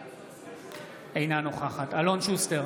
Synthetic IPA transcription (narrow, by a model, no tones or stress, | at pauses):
ejnanoχaχat̪alonʃust̪eʁ